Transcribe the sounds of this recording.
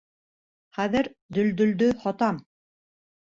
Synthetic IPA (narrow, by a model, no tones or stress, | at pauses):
χæðɘɾd̪ɵ̆ld̪ɵ̆ld̪ɵhɒt̪ɑm